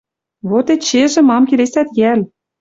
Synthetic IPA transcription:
βot̪et͡ɕeʒĕmɑmkʲelesæt̪jælʲ

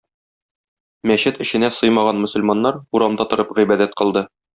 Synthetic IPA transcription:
mæɕɘt̪ɘ̆ɕɘ̆næsɤjmɑʁɑnmɵ̆sŏlmɑnːɑɾuɾɑmd̪ɑt̪ŏɾɤpʁibæd̪æt̪̚qɤ̆lˠd̪ɤ

